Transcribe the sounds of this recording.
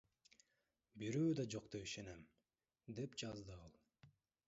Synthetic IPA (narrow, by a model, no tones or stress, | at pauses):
biɾyːd̪ɑd͡ʒo̞qt̪epiʃenem | d̪e̞pd͡ʒɑzd̪ɯɑlˠ